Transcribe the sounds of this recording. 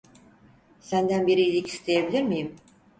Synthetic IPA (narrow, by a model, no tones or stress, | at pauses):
sænd̪ænbiɾiilʲiki̥st̪ʰejebilʲiɾmijim